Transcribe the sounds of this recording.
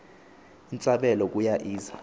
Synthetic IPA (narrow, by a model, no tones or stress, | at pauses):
int͡sʼaɓɛlɔk̬ʼujaʔiːza